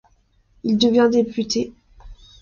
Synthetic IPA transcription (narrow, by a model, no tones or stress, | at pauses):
ild̪əvjɛ̃d̪epyt̪e